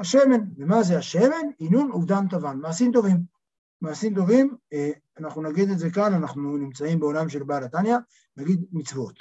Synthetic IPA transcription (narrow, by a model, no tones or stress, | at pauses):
haʃe̞me̞nvemazeaʃeme̞ninunuvd̪ant̪avanmaːsimt̪o̞vim | maːsimt̪̬o̞vim | anaχnunaɡid̪eze̞kananaχnunimt͡saimbeo̞lamʃe̞lbalat̪anja | naɡid̪mit͡svot̪